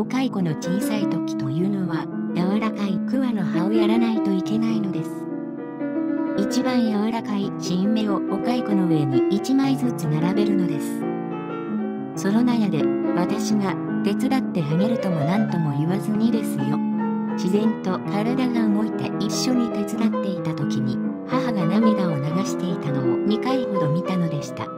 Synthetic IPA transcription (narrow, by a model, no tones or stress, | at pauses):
okaiko̞no̞t͡ɕiːsait̪o̞kʲi̥t̪o̞jɯ̟ːno̞βa | jaβaɾakaikɯ̟βano̞haojaɾanait̪o̞ike̞naino̞d̪e̞sɨ̥ | it͡ɕibãɰ̃jaβaɾakaiɕĩmme̞o̞ːkaiko̞no̞βe̞niit͡ɕimaizɨt͡sɨnaɾabe̞ɾɯ̟no̞d̪e̞sɨ̥ | so̞no̞najad̪e̞βat̪aɕiɡa | t̪e̞t͡sɨd̪at̪ːe̞ɦɯmʲiɾɯ̟t̪o̞monãnt̪o̞mo̞iβazɨɲ̟id̪e̞sɨjo̞ | ɕizẽ̞nt̪o̞kaɾad̪aɡaɯɡo̞it̪e̞̰ʔiɕːo̞ɲ̟it̪e̞t͡sɨd̪at̪ːe̞it̪at̪o̞kʲiɲ̟i | haɦaɡanamʲiɡ̪ao̞naɡaɕi̥t̪e̞it̪ano̞omʲikaiho̞d̪o̞mʲit̪ano̞d̪e̞ɕi̥t̪a̰